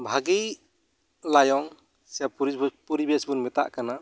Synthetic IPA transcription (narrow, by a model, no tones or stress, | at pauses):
bʱaɡij | lajɔŋ | sijapuɾipuɾibɛsbunmɛt̪a̰ʔkana